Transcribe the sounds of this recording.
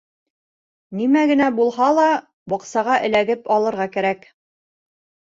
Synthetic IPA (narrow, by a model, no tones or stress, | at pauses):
nimæɡɘ̆næbulˠhɑlˠɑ | bɒqsɑʁɑʔɘ̆læɡɘpɒlˠɤ̆ɾʁɑkæɾæk